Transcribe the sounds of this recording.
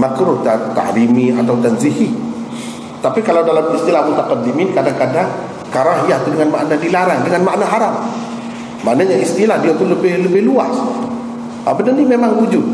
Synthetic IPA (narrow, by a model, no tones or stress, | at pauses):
makɾʊht̪at̪a̰ʔɾimiat̪awt̪anziɦi | t̪apikalawdalamist̪ilahmut̪akat̪ːimɪnkadaŋkadaŋ | kaɾaŋɦijaht̪udəŋanma̰ʔnadilaɾaŋdəŋanmaʔnaɦaɾap̚ | maʔnaɲaist̪ilahdiap̪ʊnləbɪhləbɪhlua̰s | ʔa̰bənərnimemaŋwud͡ʒʊt̪̚